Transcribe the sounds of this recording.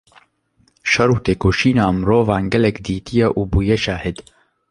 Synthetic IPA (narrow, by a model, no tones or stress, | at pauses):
ʃɐɾuːt̪eːkoːʃiːnaːmɾoːvaːnɡɛlɛkd̪iːt̪ʰijɛʔuːbuːjɛʃaːhɪd̪